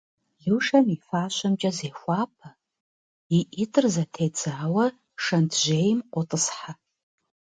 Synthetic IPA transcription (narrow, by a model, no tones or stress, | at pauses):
ɮɨwʂɐnifaːʃʷamt͡ʃʼɐzejxʷaːpʰa | iʔitʰʼɨrzatʰejd͡zaːwɐ | ʂɐndʰʒʷejmqʷʼʊtʼɨsħa